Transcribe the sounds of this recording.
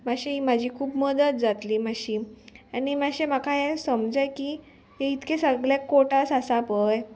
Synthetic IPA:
maɕiimad͡ʑʱiːkʰuːbməd̪ət̪̚d͡zat̪liːmaɕiañimaɕemakʰaɦesəmd͡zəjki | ɦeit̪kesəɡljakːoʈasasapəj

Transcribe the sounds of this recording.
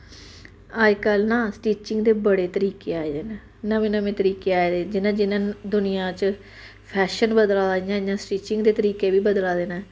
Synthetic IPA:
aːd͡ʒkəlnãːsʈiːt͡ʃɪŋɡd̪eːbəɽeːt̪əɾiːkeːaːeːd̪eːnãː | nəmẽːnəmẽːt̪əɾiːkeːaːeːd̪eːd͡ʒɪnãːd͡ʒɪnãːd̪ʊnɪjãːt͡ʃ | pʰɛːʃənbəd̪laːɪjãːd͡ʒãːsʈiːt͡ʃɪŋɡd̪eːt̪əɾiːkeːbiːbəd̪laːd̪eːnaː

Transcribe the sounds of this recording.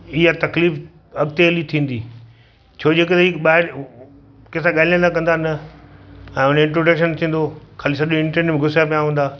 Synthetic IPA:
ɪɦat̪ɐkliːf | ɐɡt̪eəlit̪ʰĩːn̆d̪iː | t͡ɕʰoːd͡ʑeːkət̪iɓaːɦɪɾ | keːsãɠaːliə̃nd̪akɐ̃nd̪anɐ | ɛ̃ːʊneɪ̃ɳʈɾoːɖəkʃənt̪ʰĩːn̆d̪okʰaːlisɐʄõɪ̃ɳʈẽnmẽɡʱʊsjapijaɦũːnd̪aː

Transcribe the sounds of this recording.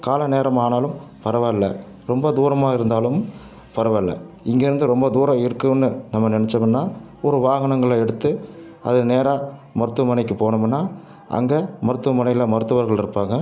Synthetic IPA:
kaːlɐneːɾɐmaːnaːlɯmpɐɾɐʋɐlːɐ | ɾɔmbɐd̪uːɾɐmaːɪɾɯnd̪aːlɯm | pɐɾɐʋɐlːɐ̰ | ɪŋɡeːɾɯnd̪ɯɾɔmbɐd̪uːɾɐɪɾɯkːɯnːɯnɐmːɐnɪnɛt͡ʃːɐmɪnːaː | ɔɾɯʋaːɣɐnɐŋɡɐɭɛɽɯt̪ːɯ | ɐ̰ðɯneːɾaːmɐɾɯt̪ːɯʋɐmɐnɐɪkːɯpoːnɐmɐnːaː | ʔɐ̰ŋɡeːmɐɾɯt̪ːɯʋɐmɐnɐɪjɪlɐmɐɾɯt̪ːɯʋɐɾɣɐɭɪɾɯpːaːŋɡɐ

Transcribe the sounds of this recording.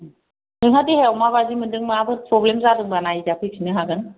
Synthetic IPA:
dɯŋɦʰadiheawmaβazimɯndɯŋmaabʰɯɾpʰɾɔblemzadɯŋbanajizapʰɯk̚sʰinɯɦaɡɯn

